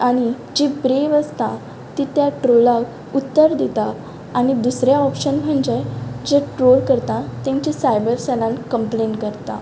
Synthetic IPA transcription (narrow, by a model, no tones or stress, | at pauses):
aɽ̃i | d͡ʑebɾeʋəst̪a | t̪it̪jaʈɾolak | ut̪ːəɾd̪et̪aː | ɽ̃id̪usɾjaɔpɕənm̤əɳd͡ʑed͡ʑeʈɾolkəɾt̪at̪jãɲt͡ɕesajbəɾsɛlãnkəmplenkəɾt̪a̰